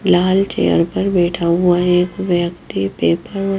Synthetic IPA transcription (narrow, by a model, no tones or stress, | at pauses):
laːlt͡ʃḛːjə̰ɾpɐɾbɛːʈʰaɦʊaeːkʋjəkt̪ipeːpəɾɔ